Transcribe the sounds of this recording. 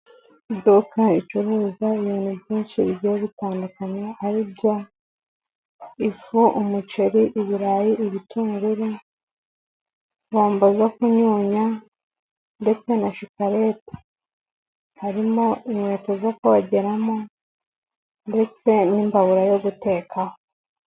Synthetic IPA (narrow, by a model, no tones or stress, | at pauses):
dukait͡ʃuɾuːzaiβiːn̥hubjiːnt͡ʃiβɟeβitaːndukaɲeaɾibɟo̞ | ifuʔumut͡ʃeɾiʔiβiɾaːjiʔiβituːŋɡuɾi | βoːmbozokuɲuːɲa | nde̞t͡se̞naʃikaɾe̞ːtḁ | haɾimo̞imweːtozokuβaɟe̞ɾamo̞ | nde̞t͡se̞nimbaβuɾajo̞ɡute̞ːkʰaho